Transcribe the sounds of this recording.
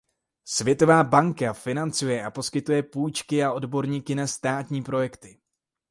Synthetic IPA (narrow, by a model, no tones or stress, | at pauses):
svjɛt̪o̞vaːbaŋkafɪnant͡sujɛʔapo̞skɪt̪ujɛpuːjt͡ʃkɪaʔo̞dbo̞ɾɲiːkɪnast̪aːt̪ɲiːpɾo̞jɛkt̪ɪ